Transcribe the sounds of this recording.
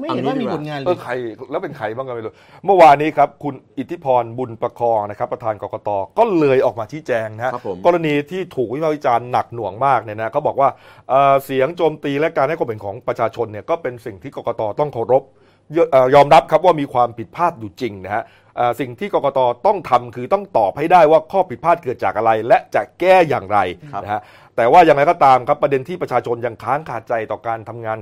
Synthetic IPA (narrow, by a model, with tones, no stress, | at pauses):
ma˥jmiː˧o˨˩nŋaː˧nʔɤː˧kʰa˧jlɛː˦˥wpe˧nkʰa˧jmaː˥˩kːma˥˩luː˧ | mɯ˥˩waː˧nːiː˦˥kʰa˦˥p̚kʰu˧nʔi˨˩t̪ʰːi˦˥pʰɔː˧nbu˧npɾa˧kʰɔː˧ŋna˦˥kʰa˦˥pːɾa˧t̪ʰaː˧nkɔː˧kɔː˧t̪ɔː˧kɔː˥˩lɤː˧jʔɔ̰ː˨˩k̚maː˧t͡ɕʰiː˦˥t͡ɕɛː˧ŋna˦ɦa˦˥˩kɔː˧ɾa˧niː˧t̪ʰiː˥˩t̪ʰuː˨˩k̚wi˦˩a˥˩wi˦˥t͡ɕaː˧nːa˨˩k̚nu˨˩əŋmaː˥˩k̚ni˥˩na˦˥kʰa˦˥wbɔː˨˩k̚waː˥˩ʔəː˨˩si˨˩˦əŋt͡ɕoː˧mt̪iː˧lɛ˦˥kaː˧nha˥˩jkʰwaː˧˦˩he˨˦nkʰɔː˩˦ŋpɾa˧t͡ɕʰaː˧t͡ɕʰo˧nːi˥ɐkɔː˥˩pe˧nsi˨˩ŋt̪ʰiː˥˩kɔː˨˩kɔ˧t̪ɔː˧t̪ɔ˥˩ŋkʰa˧˩wɾo˦˥p̚ | ʔəː˨˩jɔː˧mɾa˦˥p̚kʰp̚waː˥˩miː˧kʰwaː˧mpʰi˨˩t̪̚pʰaː˥˩t̪̚juː˨˩t͡ɕi˧ŋna˦˥ha˦˥ | ʔəː˨˩si˨˩ŋt̪ʰiː˥˩kɔː˧˩kɔː˧t̪ɔː˧t̪ɔ˥˩ŋt̪ʰa˧mkʰɯː˧t̪ɔ˥˩ŋt̪ɔː˨˩p̚ha˥˩jdaː˥˩jwaː˥˩kʰɔː˥˩pʰi˨˩t̪̚pʰaː˥˩t̪̚kɯ˨˩ət̪̚t͡ɕaː˨˩k̚ʔa˧ɾa˧jlɛ˦˥ʔt͡ɕa˨˩kɛː˥˩jaː˨˩ŋɾa˧jna˦˥ɦa˦˥ | t̪ɛː˨˩waː˥˩jaː˨˩ɾa˧jkɔː˥˩t̪aː˧mkʰa˦˥pːɾa˧de˧nt̪ʰiː˥˩pɾa˧t͡ɕʰaː˧t͡ɕʰo˧nja˧ŋkʰaː˦˥ŋkʰaː˨˧˩t͡ɕa˧jt̪ɔː˨˩kaː˧nt̪ʰa˧mŋaː˧n